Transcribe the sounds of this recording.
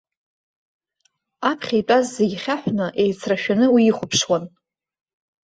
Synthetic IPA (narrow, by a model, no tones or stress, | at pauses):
apʰχʲejpʼazːeɡʲχʲaħʷnɨʔe̞jt͡sʰraʃᶣanɨwiːχʷʊpʰʂwan